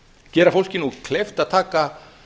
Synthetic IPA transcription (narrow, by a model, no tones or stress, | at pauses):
cɛːɾafowl̥cɪnukʰlejft̪aðt̪ʰaːka